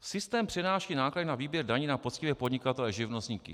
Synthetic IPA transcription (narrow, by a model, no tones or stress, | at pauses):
sɪst̪ɛːmpr̝̥ɛdnaːʃiːnaːkladɪnaviːbjɛɾdaɲiːnapot͡scɪvjɛpo̞dɲɪkat̪ɛlɛʒɪvnost̪ɲiːkɪ̰